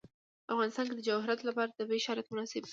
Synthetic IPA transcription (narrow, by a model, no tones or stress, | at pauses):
afɣɑnɪst̪ɑnked̪əd͡ʒawɦɪɾat̪lapɑɾad̪̥əbeʃɑɾat̪mʊnɑsɪb